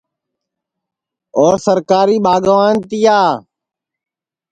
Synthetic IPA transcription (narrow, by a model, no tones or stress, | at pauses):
oːɾsəɾkaːɾiːɓaːɡəʋaːnt̪ɪjaː